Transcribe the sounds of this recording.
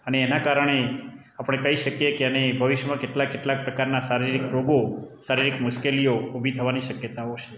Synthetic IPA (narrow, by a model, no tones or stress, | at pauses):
əneːnakaɾəɽ̃e | apɳ̃ekəɦiʃəkjekeənebʱəʋɪʃəmãkeʈlakːeʈlak̚pɾəkaɾnasaɾiɾikɾoɡosaɾiɾikmʊʃkelijoubʱit̪ʰəʋaniʃəkjət̪aot͡ʃʰe